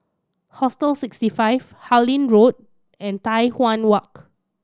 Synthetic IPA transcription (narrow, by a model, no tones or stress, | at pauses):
hɔstəlsikstifajv | halĩnɹot̚ | ɛ̃ntajhwãnwak̚